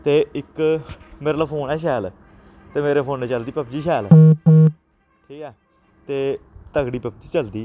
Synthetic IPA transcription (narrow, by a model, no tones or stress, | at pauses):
t̪eːɪkmeɾləpʰoːnɛːʃ̬ɛːl | t̪eːmeːɾeːpʰoːnɛːt͡ʃəld̪iːpəp̚d͡ʒiːʃɛːl | ʈʰiːkɛː | t̪eːt̪əɡɽiːpəp̚d͡ʒiːt͡ʃəld̪iː